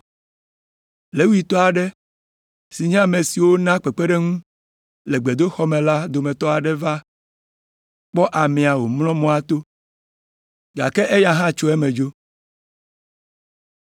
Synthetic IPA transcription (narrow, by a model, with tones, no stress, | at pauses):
le˨˦wu˦i˦t̪ɔ˦a˨ɖɛ˦ | si˨ɲ̃˦˨me˨si˨wo˦nã˦k͡pɛ˨k͡pɛ˦ɖɛ˦ŋũ˦ | lɛ˨ɡ͡be˨d̪o˦xɔ˦mẽ˨la˦d̪o˨mɛ̃˨t̪ɔ˦a˨ɖɛ˦va˦ | k͡pɔ˦ʔa˨mɛ̃˨a˨wo˨mlɔ̃˦mɔ̃˦a˦t̪o˦ | ɡa˨kɛ˦ʔe˦ja˦ɦã˦t͡ʃo˦ɛ˦mẽ˨d͡ʒo˦